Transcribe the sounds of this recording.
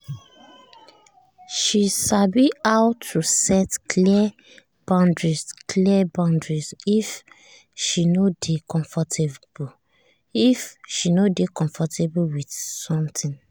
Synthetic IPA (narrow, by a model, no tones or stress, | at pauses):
ʃiʃabiaʊtʰːusɛtkʰli | b̥ãndɹizkʰliɛbãʊ̃ndɹizif | ʃinodekɔ̃ɱfɔtʰeb | ifʃinodekɔ̃ɱfɔtʰebuwidsɔ̃mtʰĩn